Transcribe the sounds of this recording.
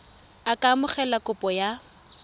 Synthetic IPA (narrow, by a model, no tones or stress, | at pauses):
akʼamʊχɛlakʊpʼɔja